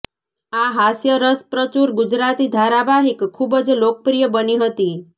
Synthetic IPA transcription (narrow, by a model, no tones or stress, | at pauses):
aɦasjəɾəspɾət͡ʃuɾɡud͡ʒɾat̪id̪ʱaɾabaɦikʰːubəd͡ʒlokəpɾijəbəniɦət̪i